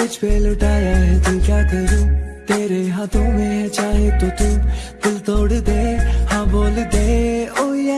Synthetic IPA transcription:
ɪt͡ʃpeːlʊʈaːjaːɦɛt̪okjaːkəɾuːt̪eːɾeɦãt̪oːmẽːɦɛ̃t͡ʃaːɦet̪oːt̪ũːt̪ɪlt̪oːɽd̪eːhãːboːld̪eːoː

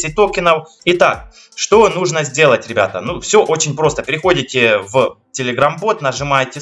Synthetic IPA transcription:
sʲɪt̪o̞kʲɪnəw | ɪt̪ak | ʂt̪o̞nuʐnəzʲdʲe̞lˠətʲɾʲɪbʲa̰t̪ə̰nufsʲo̞ʔo̞t͡ɕɪnʲpɾo̞st̪əpʲɪɾʲɪxo̞dʲɪtʲɪvtʲɪlʲɪɡɾambo̞t̪nəʐɨmajtʲɪ

